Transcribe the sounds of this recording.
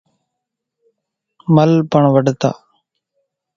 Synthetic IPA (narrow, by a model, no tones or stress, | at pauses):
məlpəɳʋəɖt̪a̰ː